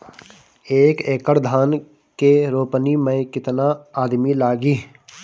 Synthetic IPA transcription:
eːkeːkəɾd̪ʱaːn | keɾoːpnimẽkɪt̪naaːd̪milaːɡiː

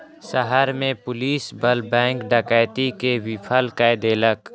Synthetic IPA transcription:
səɦəɾmẽpʊliːsbəlbɛ̃ːŋkɖəkajt̪ikewɪpʰəlkajd̪eːlək

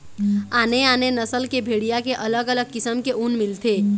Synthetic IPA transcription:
aːneaːnenəsəlkebʱeɽijakeʔələɡələɡ̚kɪsəmkeʔunmɪlt̪ʰe

